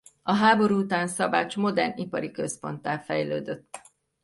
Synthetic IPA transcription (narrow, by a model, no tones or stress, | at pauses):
ɒɦaːbo̞ɾuːut̪aːnsɒbaːt͡ʃmo̞d̪ɛrnipɒɾikø̞spo̞nt̪aːlfɛjløːd̪øt̪ː